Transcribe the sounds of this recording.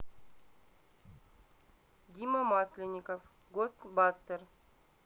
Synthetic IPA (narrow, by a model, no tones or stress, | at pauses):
d̪ʲimɐmɑsʲlʲɪnʲːikof | ɡost̪bast̪ər